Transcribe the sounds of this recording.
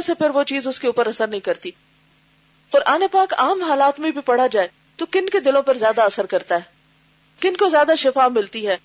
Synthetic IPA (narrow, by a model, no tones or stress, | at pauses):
sepʰɪɾʋot͡ʃiːzʊskeuːpəɾɐsəɾnɐɦĩkɐɾt̪iː | qʊɾʔaːnepaːkaːmɦaːlaːt̪mĩbʱipɐɽ̤ad͡ʒaːe | t̪okɪnked̪ɪlõpɐɾzjaːd̪aɐsəɾkɐɾt̪aɦɛː | kɪnkozjaːd̪aʃɪfaːmɪlt̪iɦɛː